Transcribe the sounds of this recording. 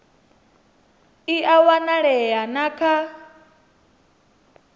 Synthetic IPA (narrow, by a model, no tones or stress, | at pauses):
iʔawanaɺɛjanakʰa